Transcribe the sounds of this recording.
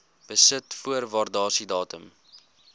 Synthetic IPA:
b̥əsətfuərvɑːrdɑːsidɑːtəm

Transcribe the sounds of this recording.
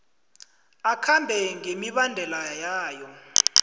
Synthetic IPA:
akʰambʱɛŋemiɓandʱɛlajaːjɔ

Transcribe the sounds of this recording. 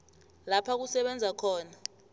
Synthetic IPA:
lapʰak̬usɛɓɛnd͡zʱakʰɔːna

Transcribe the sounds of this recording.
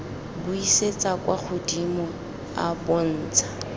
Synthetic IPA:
buiset͡sʼakʼwak͡xʰʊdimɔ | a̰bɔn̩ːt͡sʰʼḁ

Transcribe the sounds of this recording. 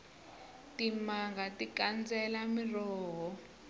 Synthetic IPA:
tʼimaŋɡatʼikand͡zɛlamirɔːɦɔ

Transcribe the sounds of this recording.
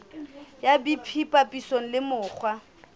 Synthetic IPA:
jabipʰipʼapʼisoŋ̩lɪmʊːk͡xʰwa

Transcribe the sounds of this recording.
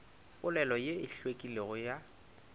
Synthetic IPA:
pʼʊlɛlɔjeɪɬwekʼileɣʊja

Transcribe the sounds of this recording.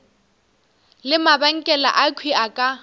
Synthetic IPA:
lɪmabaŋ̩kʼɛla̰ʔakʰwiakʼa

